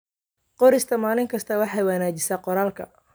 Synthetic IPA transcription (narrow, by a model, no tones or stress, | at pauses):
qɔɾɪst̪ʰɐmaːlɪŋkʰɐst̪ʰɐwɑħɑjwɑnaːt͡ʃɪsaːqɔɾaːlkʰɐ̰